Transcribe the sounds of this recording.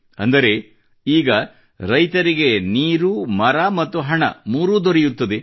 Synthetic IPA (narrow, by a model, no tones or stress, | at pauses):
ɐ̰nd̪ɐɾe̞ | iːɡɐ | ɾɐjt̪ɐɾiɡe̞niːɾumɐɾɐmɐt̪ːuɦɐɳɐ̰muːɾuːd̪oɾejut̪ːɐd̪e